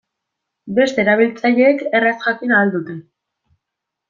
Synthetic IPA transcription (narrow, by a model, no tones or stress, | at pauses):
be̞st̪e̞ːɾaβ̞ilt͡saʎe̞ːke̞rasxakinaːld̪ut̪e̞